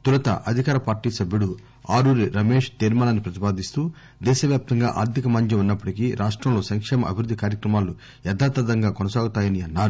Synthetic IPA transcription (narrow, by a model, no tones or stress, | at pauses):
t̪uɾɐt̪ɐ̰ʔɐd̪ʱikaːɾɐpaːɾʈiːsɐbjuɽu | aːɾuːɾiɾɐmeːʂt̪iɾmɐːlanipɾɐt̪ipaːd̪ist̪uː | d̪ɛːʃɐʋjaːp̚t̪ɐŋɡa̰ːʔa̰ːɾt̪ʰikɐmɐɲt͡ʃiunːɐpːɐʈikiɾʔaːʂʈɾɐmlo̞ːsɐŋkʂeːmɐʔɐ̰bʱiɾud̪ʱːikaːɾjɐkɾɐmaːlu | ɛd̪aːt̪ɐd̪ɐŋɡaːkɔnɐsaːɡut̪aːjɐniɐnːaːɾu